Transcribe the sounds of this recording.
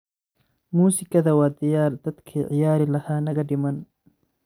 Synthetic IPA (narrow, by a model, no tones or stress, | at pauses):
muːsɪkʰɐðɐwaːd̪ɪjaːɾd̪̥ɐd̪kʰiːʕɪjaːɾɪlɐhaːnɐɣɐɖɪmɐn